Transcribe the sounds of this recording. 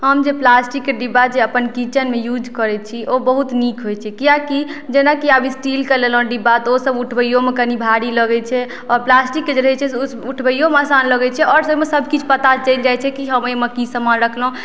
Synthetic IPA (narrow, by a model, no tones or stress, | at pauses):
ɦəmd͡ʒeplasʈikːeɖibad͡ʒeəpənkit͡ʃənmejud͡ʒkəɾɛt͡ʃʰiʔobəɦut̪nikɦojt͡ʃʰɛkijakid͡ʒenakiabʱisʈilkəlelɦõɖibat̪osəbuʈʰbəjomekənibʱaɽiləɡɛt͡ʃʰɛ | ɔɾplasʈikːed͡ʒeɾəɦɛt͡ʃʰɛsosuʈʰbəjomeasanləɡɛt͡ʃʰɛɔɾsəbmesəbʱkit͡ʃʰpət̪at͡ʃəild͡ʒajt͡ʃʰɛkiɦəmeməkisəmanɾəkʰlɦũ